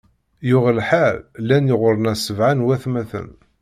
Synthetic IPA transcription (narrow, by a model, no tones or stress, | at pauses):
jʊʁlħallːænjəʁʊɾˤənæsəvʕanwæθmæθə̰n